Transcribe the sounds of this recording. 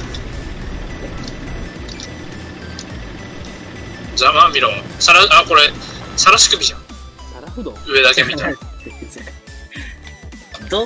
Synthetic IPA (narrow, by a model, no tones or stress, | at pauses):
d͡ʑamãmmʲiɾõsaɾaako̞ɾe̞saɾaɕi̥kɯ̟bʲiʑã | ɯ̟e̞d̪ake̞mʲit̪a